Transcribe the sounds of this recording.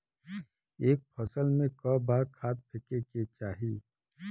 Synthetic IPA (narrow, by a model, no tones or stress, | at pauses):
eːk̚pʰɐsəlmẽkɔbaːkʰaːt̪̚pʰɪkeket͡ʃaːɦiː